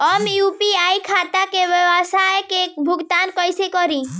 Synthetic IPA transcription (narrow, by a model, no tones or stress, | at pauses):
ɔmupiajkʰat̪akeʋɔasaekek̚bʱuɡt̪ankɔjsekɔɾi